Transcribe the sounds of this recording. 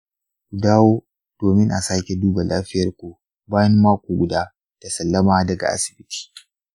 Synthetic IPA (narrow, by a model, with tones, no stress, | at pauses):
kʷu˨daː˦woː˦ | d̥oː˨mɪ˦ŋʔa̰˨saː˦kʲe˨duː˦ba˨la̰ː˦ɸɪ˦jɐ˨rkʷu˨ | baː˦jɐ˦mːaː˦kʷu˨ɡʷʊ˨daː˦ | d̥a˨sɐ˨lːɐ˦maː˦dɐ˨ɡa̰˨ʔa̰˦sɪ̥˨bɪ˦tʰi̥ː˦